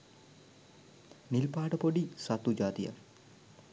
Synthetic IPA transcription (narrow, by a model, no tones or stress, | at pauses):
nilpaːʈəpoɖisat̪ud͡ʒaːt̪ija̰